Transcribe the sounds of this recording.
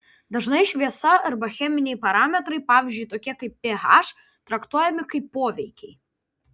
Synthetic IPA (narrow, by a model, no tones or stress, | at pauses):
d̪ɐʒnɐɪʃʲʋʲiɛsɐɐɾbɐxʲɛmʲɪnʲɛjpɐɾɑːmʲɛt̪ɾɐɪpɑːʋʲɪzʲd͡ʒʲʊjt̪ɔkʲiɛkɐɪpːʲeɦɑʃ | t̪ɾɐkt̪uɔjɛmʲɪkɐɪpːoːʋʲɛjkʲɛj